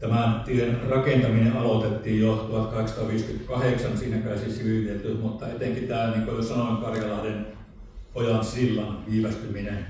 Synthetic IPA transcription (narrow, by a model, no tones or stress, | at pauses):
t̪æmænt̪iøenrɑkent̪ɑmineʔɑlot̪et̪ːiːjjot̪uhɑt̪kɑheksɑt̪ɑʋiːskyt̪kɑheksɑnsiːnækæˑesisiʋiʋiet̪ːyt̪mut̪ːɑet̪eŋkit̪æːlniŋkojosɑnoˑkɑrjɑlɑˑisen | ojɑnsilːɑnʋiːʋæst̪yminen